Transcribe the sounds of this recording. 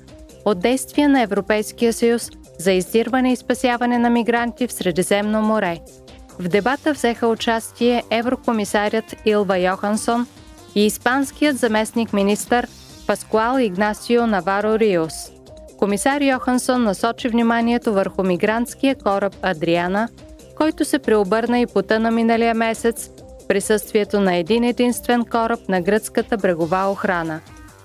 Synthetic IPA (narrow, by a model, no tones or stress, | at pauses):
od̪ːɛjst̪vijɛnɐɛvɾopɛjskijəsəjus | zɐizd̪iɾvɐnɛispɐsʲjavɐnɛnɐmiɡɾant̪ifsɾɛd̪izɛmnomoɾɛ | vd̪ɛbat̪əvzɛxəʊt͡ʃast̪iɛʔɛvɾokomisaɾʲət̪ilˠvɐjɔxɐnson | iːspanskijət̪zɐmɛsnikminist̪əɾ | pɐskualˠiɡnasionɐvaɾoɾios | komisaɾjɔxɐnsonːɐsɔt͡ʃivnimaniɛt̪ovəɾxʊmiɡɾant̪skijəkɔɾəp̚ɐd̪ɾianə | kɔjt̪ʊsɛpɾɛobɤɾnəipot̪ənɐminəlijəmɛsɛt̪s | pɾisɤst̪viɛt̪onɐɛd̪inɛd̪inst̪vɛnkɔɾəp̚nɐɡɾət̪skət̪əbɾɛɡovaoxɾanə